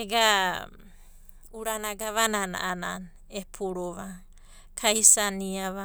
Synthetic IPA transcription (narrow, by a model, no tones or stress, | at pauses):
eɡa | uɾanaɡaβanana̰ʔana̰n | epʰuɾoβa | kʰaisaniaβa